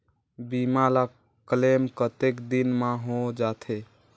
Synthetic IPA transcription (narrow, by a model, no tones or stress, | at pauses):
bimala | kəlemkət̪ekd̪inmãɦod͡ʒat̪ʰe